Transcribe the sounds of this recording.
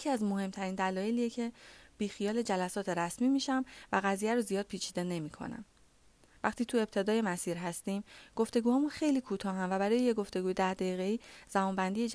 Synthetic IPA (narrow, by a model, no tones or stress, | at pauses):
jecʰiæzmo̞he̞mt̪ʰæɾiːnd̪ælɒːje̞liːjecʰe̞b̥iːxijɒːle̞d͡ʒælæsɒːt̪ʰe̞ɾæsmiːmiːʃæmvæɣæziːjæɾozijɒːd̪̚pʰiːt͡ʃʰiːd̪ene̞miːkʰo̞̰næ̰m | væχt̪ʰiːt̪ʰue̞b̚t̪ʰe̞d̪ɒːje̞mæsiːɾɦæst̪iːmɡ̥o̞ft̪e̞ɡuːhɒːmunxe̞jliːkʰuːt̪ʰɒːɦæmvæbæɾɒːje̞jeɡo̞ft̪e̞ɡuːjed̪æhd̪æjiːɣeiːz̥æmɒːnbænd̪ije̞d͡ʒ